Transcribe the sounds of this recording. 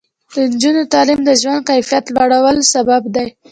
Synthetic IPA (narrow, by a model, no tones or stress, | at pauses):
d̪̥ənd͡ʒunot̪ɑlimd̪əʒwand̪̚kajfijat̪laɽawəlsababd̪aj